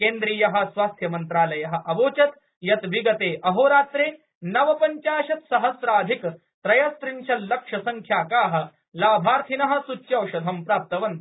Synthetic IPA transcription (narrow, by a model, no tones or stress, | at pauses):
keːnd̪ɾiːjɐɦɐ̆sʋaːst̪ʰjɐmɐnt̪ɾaːlɐjɐɦɐ̆ʔɐʋoːt͡ʃɐt̪ | jɐt̪ʋiɡɐt̪eːʔɐɦoːɾaːt̪ɾeː | nɐʋɐpɐɲt͡ʃaːʃɐt̪sɐɦɐsɾaːɐd̪ʱik | t̪ɾɐjɐst̪ɾiɲʃɐlɐkʂɐsɐŋkʰjaːkaːɦɐ̆ | laːbʱaːɾt̪ʰinɐɦɐ̆sut͡ʃːjɐwʃɐd̪ʱɐmpɾaːp̚t̪ɐʋɐnt̪